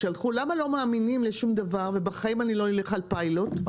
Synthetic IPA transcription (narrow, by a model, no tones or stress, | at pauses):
ʃalχulamalo̞maːminimleʃumd̪avaʁve̞baχaimanilo̞nileχalpailot